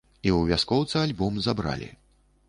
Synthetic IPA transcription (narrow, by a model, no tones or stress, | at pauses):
iwvʲaskɔwt̪sɨalʲbɔmzabɾa̰lʲḭ